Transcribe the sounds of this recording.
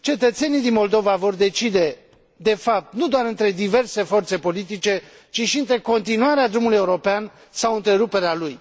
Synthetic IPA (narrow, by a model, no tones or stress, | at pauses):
t͡ʃe̞t̪ət̪se̞nijd̪inmo̞ld̪o̞vavo̞rd̪e̞t͡ʃid̪e̞ | d̪e̞fap̚t̪nud̪oaɾɨnt̪ɾe̞d̪ive̞rse̞fo̞rt̪se̞po̞lit̪̬it͡ʃe̞ | t͡ʃiʃiɨnt̪ɾe̞ko̞nt̪inuaɾead̪ɾumuluje̞uɾo̞pean | sawɨnt̪ɾe̞ɾupe̞ɾealuj